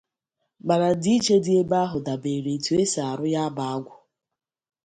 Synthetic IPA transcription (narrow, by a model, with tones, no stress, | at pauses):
ma˨ɾa˨di˦i˦t͡ʃe˦di˦e˦ba˦ɦʊ˨da˨be˨ɾe˨tu˨e˦sa˨a˨ɾʊ˦ja˦a˦ba˨a˦ɡʷʊ˨